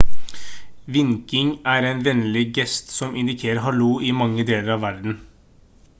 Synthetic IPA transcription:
ʋɪŋkɪŋæːɾeːnʋɛnəlɪɡɛst̪sɔmɪnd̪ɪkʰeːɾəɦɑluːʔɪmɑŋːəd̪eːləɾɑːʋʋæɾd̪n̩

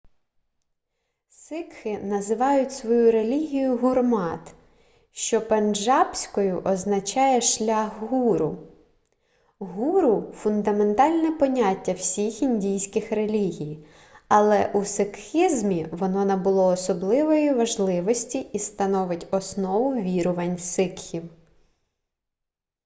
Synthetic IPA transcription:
sɪkxɪnɐzɪʋɑjʊtʲsʋɔjuɾelʲiɦʲijʊɦurmɑt̪ | ʃt͡ʃɔpenʒɑpsʲkɔjʊʔɔznɐt͡ʃɑjɛʃlʲaɦɦuɾʊ | ɦuɾʊfʊnd̪ɐme̞nt̪ɑlʲnɛpɔnʲatʲːɐw̥sʲixinʲdʲijsʲkɪxrelʲiɦʲij | ɐlˠɛʔusɪkxʲizmʲiʋɔnɔnɐbʊlˠɔːsɔblˠɪʋɔjiʋɐʒlˠɪʋɔsʲtʲiist̪ɐnɔʋɪtʲɔsnɔʋʊʋʲiɾʊʋɐnʲsɪkxʲiw

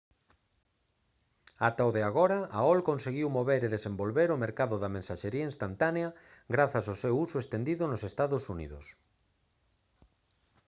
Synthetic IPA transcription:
at̪aoðeaɣ̞ɔɾaaɔlkonseɣiwmoβeɾeðesembolβeɾʊmeɾkaðʊðamẽnsaʃeɾiainst̪ant̪aneɐɣɾaθɐsaʊsewusʊest̪end̪iðʊnosest̪aðʊsunḭðʊ̰s

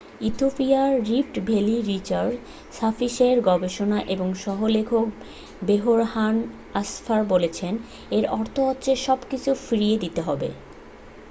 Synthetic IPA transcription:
it̪ʰopiaɾifʈbʱeliɾit͡ɕaɾɖ | safiʃeɾɡɔbeʃonaʔeboŋʃɔɦolekʰok | beɦoɾɦan | asfaɾbolet͡ɕʰen | eɾɔɾt̪ʰoɔtːɕeʃɔbkit͡ɕʰufiɾijed̪it̪eɦɔbḛ

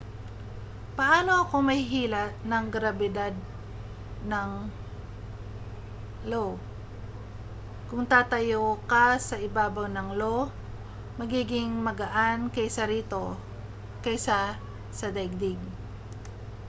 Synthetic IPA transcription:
pɐʔaːno̞ʔɐko̞mɐjɦiːlɐt̪̚nɐŋɡɾabɛd̪ad̪̚ | nɐŋ | lo | kʊŋt̪aːt̪ɐjokasɐʔɪbaːbawnɐŋlo | mɐɡiːɡɪŋmɐɡɐʔankɐjsɐɾiːt̪o̞ | kɐjsa | sɐd̪ajɡ̚d̪ɪɡ

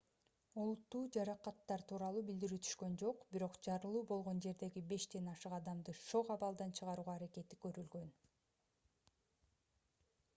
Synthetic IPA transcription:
ulˠut̪ːuːd͡ʒɑɾɑqɑt̪ːɑɾt̪ʰuːɾɑlˠuːbild̪iɾyːt̪ʰy̥ʃkø̞nd͡ʒo̞qbiɾo̞qd͡ʒɑɾɯlˠuːbo̞lˠʁo̞nd͡ʒe̞ɾd̪e̞ɡibe̞ʃd̪e̞nɑʃɯqɑd̪ɑmd̪ɯʃo̞qɑβɑlˠd̪ɑnt͡ʃʰɯʁɑɾuːʁɑːɾake̞t̪i̥kø̞ɾylɡø̞n

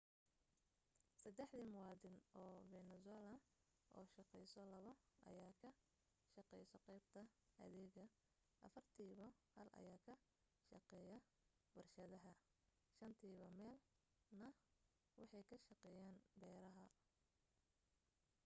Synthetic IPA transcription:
sɐd̪ɛħd̪iːmʊwɑːd̪ɪnʔɔːvɛnɛsɛlɐ | ʔɔ̰ːʃɑqɛjsɔlɐβɐʔɐ̰jaːkʰɐ | ʃɑqɛjsɔqɛjb̚t̪ʰɐɐ̰ðɛːɣɐ | ʔɐ̰fɐrt̪ʰiːβɐhɐlʔɐ̰jaːkʰɐ | ʃɑqɛːjɐ | bɐrʃɐðɐɦɐ | ʃɐnt̪ʰiːβɐmɛːl | nɐ | wɑ̰ħɑjkʰɐʃɑqɛːjaːnbɛːɾɐɦɐ

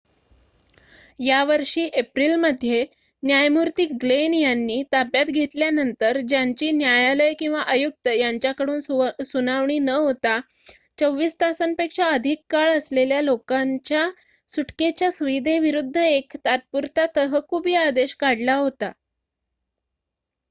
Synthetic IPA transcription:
jaʋəɾʂiːʔepɾilməd̪ʱːje | njajmuɾt̪iːɡlenjanːiːt̪apjat̪ɡʱet̪ljanənt̪əɾd͡ʑjaɲt͡ɕiːnjajaləjkĩw̃ʋaʔəjuk̚t̪əjaɲt͡ɕjakəɽuːnsunaʋɳiːnəɦot̪a | t͡səʋːiːst̪asənpekʂaəd̪ʱikːaɭəsleljalokaɲt͡ɕja | suʈket͡ɕjasuʋid̪ʱeʋiɾud̪ʱːəekt̪at̪̚puɾt̪at̪əɦəkʰubiːad̪eɕkaɽlaɦot̪a

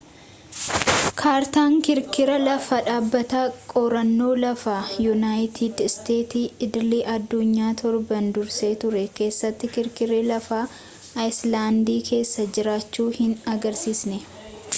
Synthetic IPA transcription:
kʰaːɾt̪aːŋkɪɾkɪɾɐlɐfɐᶑaːbːɐt̪akʼɔɾɐnːo̞ːlɐfaːjʊnaːjt̪ʰid̪st̪e̞ːt̪iːɪd̪ɪliʔɐd̪ːʊɲːaːt̪ʰɔɾbɐnd̪ʊɾse̞ːt̪ʊɾɛke̞ːsːɐt̪ːɪkɪɾkɪɾeːlɐfaː | jslaːnd̪iːkʰe̞ːsːɐd͡ʒɪɾaːt͡ʃːuːhɪnɐɡɐɾsiːsnɛ

